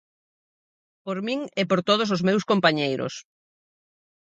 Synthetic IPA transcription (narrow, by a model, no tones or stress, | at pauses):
poɾmĩŋɛpoɾt̪oð̞os̬ozmewskompaɲejɾo̰s